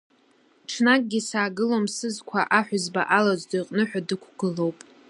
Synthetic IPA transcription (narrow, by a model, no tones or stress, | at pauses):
ʈ͡ʂʰnakʼɡʲisaːɡɨlomsɨzkʷʰaʔaħʷᶣʊzba̰ʔalazdijqʼnɨħʷᶣadɨkʷʰɡ̥ɨlo̞wpʼ